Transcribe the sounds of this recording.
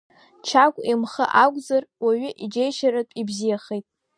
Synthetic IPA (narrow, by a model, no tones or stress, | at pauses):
t͡ʃʰakʷʼimχəʔaɡʷʼzarwaɥʏʔid͡ʒejʃaɾatʷʼibzijaχejtʼ